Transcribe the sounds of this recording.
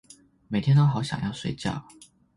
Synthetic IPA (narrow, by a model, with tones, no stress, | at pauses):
me˨˩ɪt̪ʰjɛ˥nt̪o˥ʊxɑ˧˥ʊɕjɑ̰˨˩ŋjɑ˥˩ʊʂwḛ˧˥ɪt͡ɕjɑ̰˥˩ʊ